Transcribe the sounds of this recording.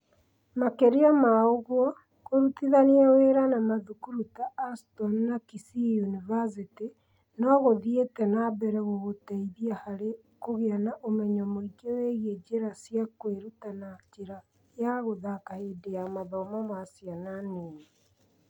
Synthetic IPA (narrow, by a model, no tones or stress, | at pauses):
makeɾeamaoɣwɔ | ɣoɾutiðaniaweɾanamaðukuɾutaːstɔnnakisiunivas̬iti | nɔɣoðietɛnabɛɾɛɣoɣotɛiðiahaɾe | koɣeanaʔomɛɲɔmoiɡeweɣied͡ʒeɾasjakweɾutanat͡ʃeɾa | jaɣoðakahedeamaðɔmɔmaːsjananeːe